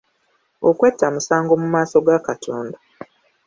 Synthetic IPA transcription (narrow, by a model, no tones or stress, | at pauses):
okwetːamusaːŋɡo̞mumaːso̞ɡakatʰoːnda